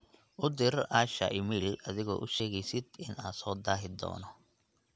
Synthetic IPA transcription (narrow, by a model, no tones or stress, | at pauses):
ʔʊd̪ɪraːʃɐ̰ʔɪmilɐðɪɣɔ̰ːʔʊʃɛːɣɛjsɪd̪ɪnaːsɔːd̪aːɦɪd̪ɔ̰ːnɔ